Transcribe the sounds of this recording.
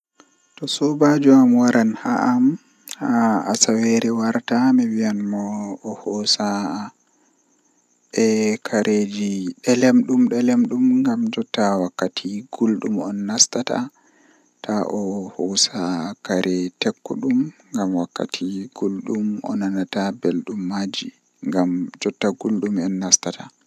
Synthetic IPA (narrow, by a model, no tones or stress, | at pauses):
tɔsɔbad͡ʒuamwaɾʔanhaʔam | haasawɛɾɛwaɾtamɛwianmɔːhɔsa | ɛkʰaɾʔed͡ʒiɗɛlɛmɗumɗɛlɛmɗumŋɡamd͡ʒɔtawakːatʰiɡ̥ulɗumɔnːastata̰ | taʔɔhɔsakaɾʔɛtɛkːɔ̰ɗumŋɡamwakːa̰tʰiɡ̥ulɗumɔ̰nanatabelɗumːad͡ʒi | ŋɡamd͡ʒɔtːaɡulɗumɛnːastatʰa